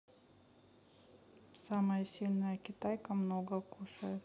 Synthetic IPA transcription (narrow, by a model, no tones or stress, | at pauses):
saməjəsʲilʲnəjəkʲɪt̪ajkəmnoɡəkuʂəjɪt̪